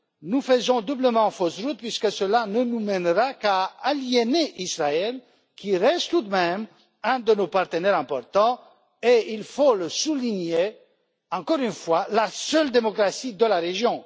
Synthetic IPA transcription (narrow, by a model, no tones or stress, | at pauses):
nufəzɔ̃d̪ubləmɑ̃fɔsʁut̪̚pɥiskəsəlanənumɛnʁakaːljeneʔisʁaɛl | kʰʲiʁɛst̪t̪ud̪mɛm | ɛ̃d̪ənopaʁt̪ənɛʁɛ̃pɔʁt̪ɑ̃ | eilfoləsuliɲe | ɑ̃kɔʁynfwalasœld̪emɔkʁasid̪əlaʁeʒjɔ̃